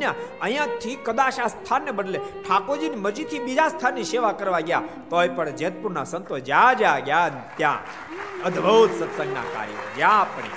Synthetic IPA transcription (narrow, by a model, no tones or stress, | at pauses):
ãəɦj̃ãt̪ʰikːəd̪aʃast̪ʰanːebəɖleʈʰakod͡ʒinməɾd͡ʒit̪ʰibid͡ʒast̪ʰanːiʃeʋakəɾʋaɡja | t̪ojpəɳd͡ʒeət̪̚puɾnasənt̪od͡ʒad͡ʒaɡjant̪jã̰ | əd̪ʱbʱəwt̪sət̪sə̃ŋɡna̰ka̰ːɾjḛd͡ʒjãpɳ̃ḭ